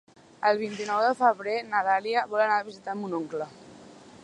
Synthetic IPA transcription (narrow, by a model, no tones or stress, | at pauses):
əlˠβ̞int̪inɔwðəfəβɾenəðaliəβɔlənaβizit̪amunoŋklə